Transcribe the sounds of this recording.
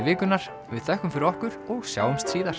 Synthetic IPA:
vɪːkʏnaɾ̥ | vɪðθœhkʏmfɪɾɔhkʏɾɔɣsja̰ːwʏmst̪ʰɾiːðaɾ̥

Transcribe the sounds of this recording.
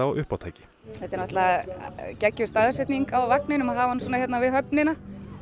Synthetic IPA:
aʔʏhpawt̪ʰaːjcɪ̥ | θɛt̪ɛɾnɔht̪laðacɛcːʏst̪aːðasɛt̪niŋkawvaknɪnʏmaðɦaːvansɔːnaçjɛt̪navɪðɦœpnɪna

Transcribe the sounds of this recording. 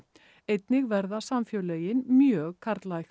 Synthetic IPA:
ejt̪nɪɣvɛɾðasamfjœːwleːjɪnmjœːɣkʰaɾt̪lajx

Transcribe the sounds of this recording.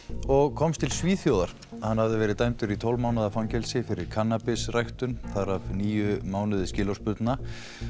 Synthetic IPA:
ɔɣkʰɔmst̪ʰɪlsviːθjowðaɾ̥ | hanːhavðɪvɛːɾɪðt̪ajmt̪ʏɾit̪ʰɔwlvmaːwnaðafancɛlsɪfɪɾɪɾ̥kʰanːapɪsrajxt̪ʏnθaɾavniːjʏmaːwnʏðɪscɪːlɔwspʏt̪na

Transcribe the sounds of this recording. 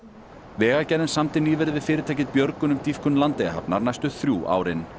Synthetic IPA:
vɛːɣacɛːɾðɪnsamt̪ɪniːvɪɾðɪvɪðfɪːɾɪt̪ʰaːjcɪpjœɾkʏnʏmt̪ifkʰʏnlant̪ejɣaɦa̰pnaɾnajst̪ʏθɾjṵːʔa̰ːwɾɪn

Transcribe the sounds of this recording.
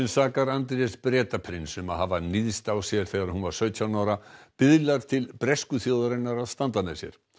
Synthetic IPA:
ɪnsaːkaɾant̪ɾɛspɾɛːt̪apʰɾɪnsʏmaɦavaniðst̪aːwsjɛɾ̥θɛːɣaɾhunvaɾ̥sœɥt̪ʰawnaːwɾapɪðlaɾ̥t̪ʰɪlpɾɛskʏθjowðaɾɪnːaɾaðst̪ant̪anasjɛ̰ɾ̥

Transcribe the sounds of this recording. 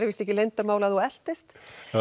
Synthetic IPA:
ɾɪfist̪ɛhcɪlejnt̪aɾmaːwlaθuɛl̥t̪ɪst̪

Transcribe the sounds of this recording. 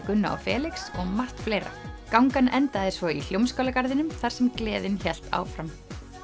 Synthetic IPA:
kʏnːa̰a̰wfɛ̰ːlɪksɔɣmaht̪fleːjɾa̰kawŋkanɛnt̪aðɪsvɔil̥jowmskawlakaɾðɪnʏmθaɾ̥sɛmklɛːðɪnçɛl̥t̪a̰ːwfɾam

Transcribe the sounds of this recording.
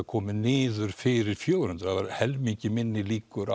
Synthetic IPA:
kʰɔːmɪneːðʏɾfɪːɾɪɾfjoːɾhɵnd̪ɾavaɾhɛlmiːcɪmɪnːɪliːkʏɾa

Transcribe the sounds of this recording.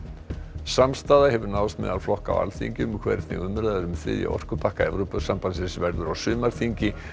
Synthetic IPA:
samst̪aːðahɛvʏɾnawst̪mɛ̰ða̰lflɔhka̰wa̰lθḭɲcʏmkʰvɛɾθnɪ̰ɣʏmɾaðʏɾʏmθɾɪ̰ðja̰ʔɔ̰r̥kʏpahkaɛ̰vɾopasampansɪsvɛɾðʏɾawsʏːmaɾ̥θiɲcɪ

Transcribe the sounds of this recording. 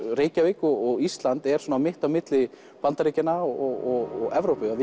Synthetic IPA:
ɾeːjcavɪkɔɣɔɣist̪lant̪ɛɾ̥sɔːnamɪht̪amɪt̪lɪ | pant̪aɾicɪnaɔɔɣɔɣɔɣɛvɾowpʏað

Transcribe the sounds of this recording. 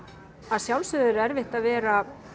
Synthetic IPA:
aðsjawlsʏðʏɾɛɾvɪht̪aðvɛːɾa

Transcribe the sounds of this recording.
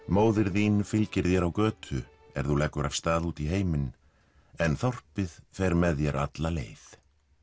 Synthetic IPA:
moːwðɪɾðiːnfɪlcɪɾðjɛɾawkœːt̪ʰʏ | ɛɾ̥θulɛkːʏɾafst̪aːðuːt̪iɦeːjmɪn | ɛnθɔr̥pɪðfɛɾmɛðjɛɾʔa̰t̪laleːjθ

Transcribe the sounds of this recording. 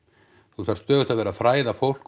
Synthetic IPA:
θuθaɾ̥st̪œːɣʏht̪aðvɛːɾafɾaːjðafowl̥k

